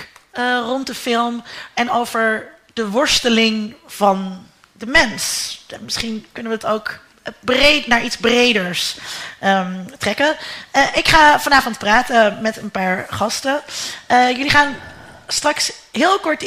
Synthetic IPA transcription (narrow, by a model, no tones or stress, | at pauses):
ərɔntdəfɪlˠmɛnowvəɹ | d̥əʋɔɹstəlɪŋv̥ɑn | dəmɛnsmɪsχinkɵnəʋədɑtowk | bretnaːɹʔidzbrejdəɹsətrɛkənəʔɪkχaːvɑnaːvɔntpraːtəmɛtənpaːɹχɑstə | jɵliχaːnstrɑksɦɪːlˠkɔɹt